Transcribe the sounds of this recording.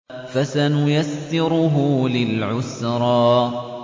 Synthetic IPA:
fasanʊjasːɪɾʊɦʊlɪlʕʊsɾˤɑː

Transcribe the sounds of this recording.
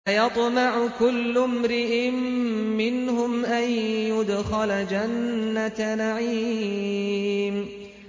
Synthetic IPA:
jɑt̪ˤmɑʕʊkʊlːʊmɾɪʔɪmːɪnhʊmʔanjʊd̪xalad͡ʒanːat̪naʕi | m

